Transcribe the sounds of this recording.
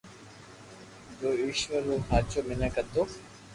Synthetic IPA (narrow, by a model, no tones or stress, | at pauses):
d͡ʒoːiːʃʋəɾuːaːt͡ʃoːmɪnãkət̪oː